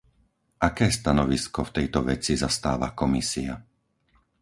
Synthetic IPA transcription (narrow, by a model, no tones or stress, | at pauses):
ʔakɛːst̪anɔʋiskɔft̪ɛjt̪ɔʋɛt͡sizast̪a̰ːʋa̰kɔmisia